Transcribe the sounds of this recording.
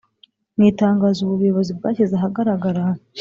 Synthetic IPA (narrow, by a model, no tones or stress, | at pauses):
miːtaːŋɡaːzuβuβujoβo̞zib̚ɡaːçezaɦaɡaɾaɡaɾa